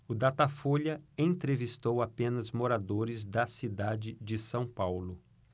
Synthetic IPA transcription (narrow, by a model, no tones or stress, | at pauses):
ʊd̪at̪afoʎɐẽt̪ɾevist̪owapẽnɐzmoɾad̪oɾɪzd̪ɐsid̪ad͡ʒɪd͡ʒɪsɐ̃w̃pawlʊ